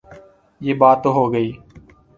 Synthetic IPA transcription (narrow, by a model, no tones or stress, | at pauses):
jeːbaːt̪ːoːɦoːɡəiː